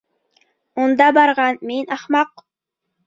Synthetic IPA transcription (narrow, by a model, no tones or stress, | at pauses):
ʊnd̪ɑbɑɾʁɑnmenɑχmɑq